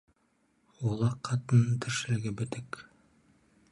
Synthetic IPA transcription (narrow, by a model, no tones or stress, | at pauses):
ulˠɑqʰːɑt̪ɤnɤnt̪ʰɘ̆ɾʃɘ̆lɡɘbɘ̆t̪ɘk